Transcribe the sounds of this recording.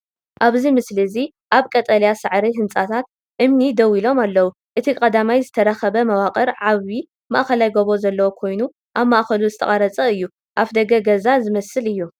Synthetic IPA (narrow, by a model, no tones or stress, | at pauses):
ʔaβzimɨslizi | ʔaβkʼɐt̪ʼɐljasɨʕɾiɦɨnt͡sʼat̪ʰat̪̚ | ʔɨmnid̪ɐwilo̞malːɐwu | ʔɨt̪ʰikʼɐd̪amajzɨt̪ʰɐɾɐxɐβɐmɐwaqʼɐɾʕaβi | maʔxɐlajɡoβo̞zɐlːɐwo̞kʰo̞jnu | ʔaβmːaʔxɐluzɨt̪ʰɐ̰χʼɐɾɐt͡sʼɐɨjːu | ʔafd̪ɐɡɐɡɐzazɨmɐsɨlɨjːu